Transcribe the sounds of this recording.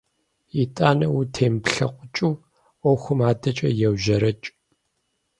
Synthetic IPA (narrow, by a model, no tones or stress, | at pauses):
itʼaːnɐwutʰeːmpɬɐqʷʼʊt͡ʃʼuː | ʔʷɔxʷʊmaːdɐt͡ʃʼɐ̰jɛwʒɐɾɐt͡ʃʼ